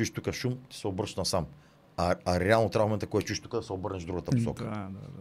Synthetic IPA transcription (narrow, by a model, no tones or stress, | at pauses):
uʃt̪ukɐʃumt̪i̥sɛobəɾʃt̪nɐsam | ɐɐɾɛalˠʊt̪ɾavmomẽnt̪ɐkɔɛt͡ʃuʃt̪ukɐd̪ɐseobəɾneʒd̪ɾuɣɐt̪ɐppussɔ̰kɐad̪a